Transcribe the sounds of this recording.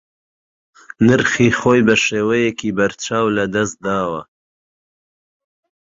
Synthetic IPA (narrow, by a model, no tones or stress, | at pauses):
nɨɾxiːxoːjbɐʃeːwɐjekʰiːbɐɾt͡ʃaːwlɐd̪ɐs̚d̪aːwɐ